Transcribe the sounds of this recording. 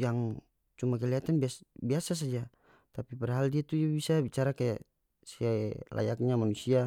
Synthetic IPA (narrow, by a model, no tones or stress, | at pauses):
jaŋ | t͡ʃumak̬ɛliat̪anbiasbiasas̬ad͡ʒa | t̪apiparɦaldiat̪ud͡ʒabisabit͡ʃaɾakaja̰ | siala̰jak̚ɲamanusia